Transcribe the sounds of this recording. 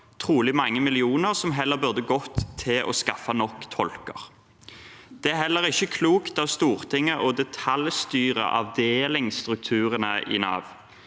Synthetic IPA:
t̪ʰʁuːlɪmɑŋːəmɪlɪuːnəʁsɔmɦɛlːəbʉʁd̪əɡɔt̪ʰːɪlʔɔ̰skɑfɑnɔkːt̪ʰɔlkə̰ʁ | d̪̥ɛæhɛlːəʁɪçːəkʰluːkt̪ɑʋst̪uːʁt̪ʰɪŋːəʔɔd̪ɛt̪ʰɑljst̪yːʁə̰ʔɑ̰ʋd̪eːlɪŋst̪ʁʉk̚t̪ʰʉːʁənəɪ̰nɑ̰ːʋ

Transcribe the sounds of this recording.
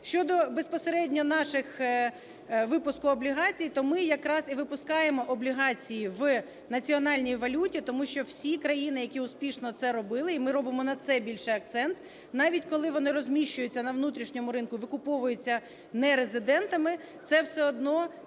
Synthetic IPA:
ʃt͡ʃɔd̪ɔbespɔseɾɛdʲnʲɔnɑʃɪx | ʋɪpʊskʊɔblʲiɦɑt͡sʲijt̪ɔmɪjɐkɾɑsiʋɪpʊskɑjemɔʔɔblʲiɦɑt͡sʲijiʋ | nɐt͡sʲiɔnɑlʲnʲijʋɐlʲutʲit̪ɔmuʃt͡ʃɔwsʲikɾɐjinɪjɐkʲiʊspʲiʃnɔt̪sɛɾɔbɪlˠɪimɪɾɔbɪmɔnɐt̪sɛbʲilʲʃɛɐk̚t̪sɛnt̪ | nɑʋʲitʲkɔlˠɪʋɔnɪɾɔzʲmʲiʃt͡ʃʊjʊt͡sʲːɐnɐʋnut̪ɾʲiʃnʲɔmʊɾɪnkʊʋɪkʊpɔʋʊjʊt͡sʲːɐ | nɛɾezɪd̪ɛnt̪ɐmɪ | t̪sɛwsɛɔd̪nɔ

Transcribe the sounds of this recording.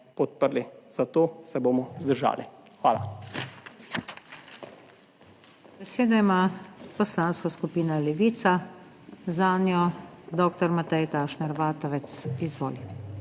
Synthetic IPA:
pɔt̪̚pəɾliz̥at̪oːsɛbomɔzd̪əɾʒa̰ːlixʋaːla̰ | bɛseːd̪ɔimaːpɔslaːnskaskupiːnalɛʋiːt̪sa | zaːnjɔd̪ɔːkt̪ɔɾmat̪ɛjt̪aːʃnɛɾʋaːt̪ɔʋɛt̪sizʋo̰ːli

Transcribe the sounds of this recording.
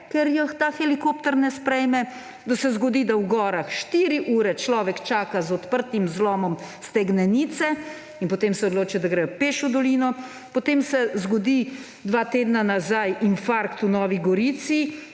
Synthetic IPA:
kɛɾjɔxt̪axɛlikoːpt̪ɛɾnɛspɾɛjmɛ | d̪asɛzɡod̪iːd̪awɡɔːɾaxʃt̪iːɾiʔuːɾɛt͡ʃlɔːʋɛkt͡ʃaːkazɔt̪pəɾt̪imzlɔːmɔmst̪ɛɡnɛniːt̪sɛ | inpɔt̪eːmsɛɔd̪loːt͡ʃid̪aɡɾɛjɔpeːʃud̪ɔliːnɔ | pɔt̪eːmsɛzɡɔd̪i | d̪ʋaːt̪eːd̪nanazajinfaɾkt̪unɔːʋiɡɔɾiːt̪si

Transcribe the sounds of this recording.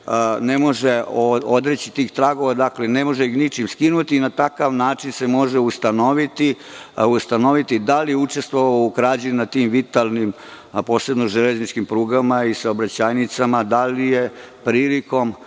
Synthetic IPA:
ne̞mo̞ʒeood̪ɾet͡ɕit̪iːxt̪ɾaɡo̞ʋad̪aklene̞mo̞ʒeixnit͡ʃimskinut̪iːnat̪akaʋnaːt͡ʃinse̞mo̞ʒeust̪ano̞ʋit̪iust̪ano̞ʋit̪id̪alijut͡ʃe̞st̪ʋoʋaoukɾaːd͡ʑenunat̪imʋit̪alˠnim | po̞ːse̞bnoʒeleznit͡ʃkimpɾuːɡamaisaobɾat͡ɕaːjnit̪samad̪alije̞ | pɾiːliko̞m

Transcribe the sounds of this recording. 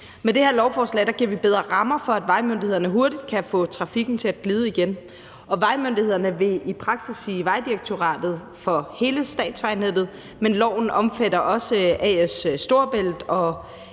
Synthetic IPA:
med̥e̝heɐ̰lɒʊfɒːslɛ̰d̥ɑ̈ɡ̥iɐ̰ʋib̥eð̞ˠʁɐʁɑ̈mɐfɒ̽æd̥ʋɑ̈ɪmønd̥ihe̝ð̞̰ˠɐnəɦo̝ɐdid̥̚kʰæfɔ̰̽ːt͡sʰʁɑ̈fiɡ̥n̩t͡sʰe̝æd̥̚ɡ̥liːð̞ˠəiɡ̥en | ɒ̽ʋɑ̈ɪmønd̥ihe̝ð̞̰ˠɐnəʋe̝ipʰʁɑ̈ɡ̥sisiːʋɑ̈ɪd̥iʁaɡ̥̚t͡sʰo̝ʁɑ̰̈ːd̥ð̩ˠ | fɒ̽he̝ːləsd̥ɛ̰ːd̥sʋɑ̈ɪned̥ð̩ˠ | menlɒʊ̰n̩ʔɒ̽mfædɐʔɒ̽səʔɛːssːd̥o̝ɐb̥el̰d̥ɒ̽

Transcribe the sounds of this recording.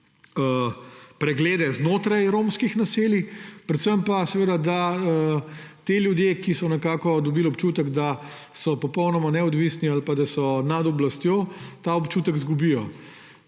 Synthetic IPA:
əpɾɛɡleːd̪ɛznoːt̪ɾajɾoːmskixnaseːlipɾɛt̪səmpasɛʋeːd̪ad̪aət̪eljud̪jekisɔnɛkaːkɔd̪ɔbilɔpt͡ʃuːt̪əɡd̪a | sɔpɔpɔwnɔmanɛɔd̪ʋisnialpad̪asɔnad̪ɔblast̪joːt̪aɔpt͡ʃuːt̪əɡzɡubijɔ

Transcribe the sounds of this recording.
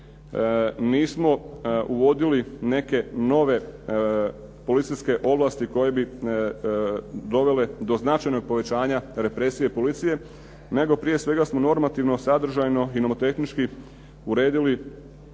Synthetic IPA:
niːsmo̞uʋo̞d̪iline̞ke̞no̞ʋe̞ | po̞lit̪sijske̞ʔo̞blast̪iko̞je̞bi | d̪o̞ʋe̞le̞d̪o̞znat͡ʃajno̞ɡ̚po̞ʋe̞t͡ɕaːɲaɾe̞pɾe̞sije̞po̞lit̪sije̞ | ne̞ɡo̞pɾije̞sʋe̞ɡasmo̞no̞ɾmat̪iʋno̞sad̪ɾ̩ʒajno̞inomot̪e̞xnit͡ʃki | uɾe̞ːd̪ili

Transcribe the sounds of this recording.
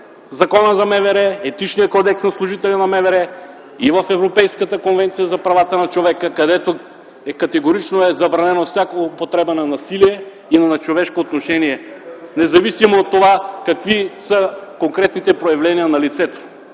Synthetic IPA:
zɐkɔnəzɐmɛvɛɾɛɛt̪it͡ʃnijəkɔd̪ɛksnɐslˠʊʒit̪ɛlinɐmɛvɛɾɛ | ivɐfɛvɾopɛjskət̪əkonvɛnt̪sijəzɐpɾɐvat̪ənɐt͡ʃovɛkəkɐd̪ɛt̪o | ɛkɐt̪ɛɡoɾit͡ʃnoɛzɐbɾɐnɛnofsʲjakopot̪ɾɛbənɐnɐsiliɛ | inɐnɐt͡ʃovɛʃkoːt̪noʃɛniɛnɛzɐvisimoːt̪ːovakɐkvisəkoŋkɾɛt̪nit̪ɛpɾojɐvlɛniənɐlit̪sɛt̪o̥

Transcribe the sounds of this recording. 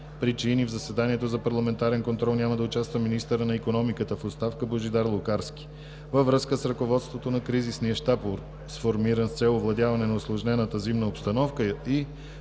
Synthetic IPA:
pɾit͡ʃinivzɐsɛd̪aniɛt̪ozɐpɐɾlˠɐmɛnt̪aɾɛnkont̪ɾɔlˠnʲaməd̪ɐʊt͡ʃast̪vəminist̪əɾənɐikonɔmikət̪əfot̪st̪afkəboʒid̪aɾlˠʊkaɾskʲi̥ | vəvɾɤskəsɾɐkovɔt̪st̪vot̪onɐkɾizisniəʃt̪apoɾ | sfoɾmiɾənst̪sɛlˠovlˠɐd̪javɐnɛnɐʊslˠoʒnɛnət̪əzimnəopst̪ɐnɔfkəi

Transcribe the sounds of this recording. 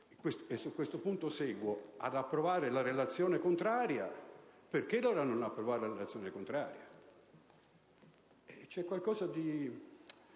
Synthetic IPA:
kwest̪esːukːwest̪opunt̪osɛːɡwoa̰d̪apːɾovaːɾelaɾelat̪sːjɔːnekont̪ɾaːɾjaperk̟eloːɾanonapːɾovaːɾelaɾelat̪sːjɔːnekont̪ɾaːɾja | ɛt͡ʃɛkːwalkɔːzad̪i

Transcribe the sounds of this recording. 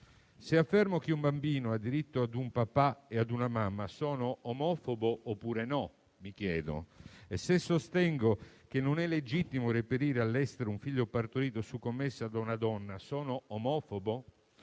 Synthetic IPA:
seafːɛrmok̟eumbambiːnoad̪ːiɾit̪ːoad̪umpapːaead̪unamamːasɔːnoomɔːfoboʔopːuːɾenɔ | mik̟jɛːd̪o̰esːesːost̪ɛŋɡok̟enːonɛlːed͡ʒit̪ːimorepeɾiːɾealːɛst̪eɾouɱfiʎːopart̪oɾiːt̪osukːomːesːad̪aunad̪ɔnːasɔːnoomɔfobo

